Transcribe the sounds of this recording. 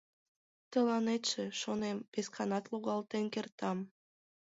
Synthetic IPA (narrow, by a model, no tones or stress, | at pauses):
t̪əlˠɑnet̪ʃeʃonembeskɑnɑt̪lˠuɣɑlˠt̪enkert̪ɑm